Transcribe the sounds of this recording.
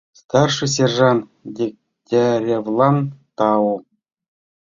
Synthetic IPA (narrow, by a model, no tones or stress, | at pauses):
st̪ɑrʂɨs̬ʲerʐɑndʲek̚ | dʲeɾʲevlˠɑnt̪ɑwu